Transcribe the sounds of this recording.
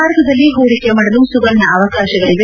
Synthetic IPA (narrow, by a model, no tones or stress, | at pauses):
aːɾɡɐd̪ɐlːiɦoːɾikemɐɽɐlusuɡɐlnɐːʋɐkaːʃɐɡɐɭiɡe